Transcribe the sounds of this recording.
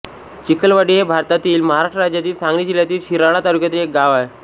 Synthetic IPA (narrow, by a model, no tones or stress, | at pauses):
t͡ɕikəlʋaɽiːɦebʱaɾt̪at̪iːlməɦaɾaʂʈɾəɾad͡ʑjat̪iːlsãŋɡnid͡ʑiljat̪iːlɕiɾaɽ̃at̪aɾukjat̪ilek̚ɡaʋae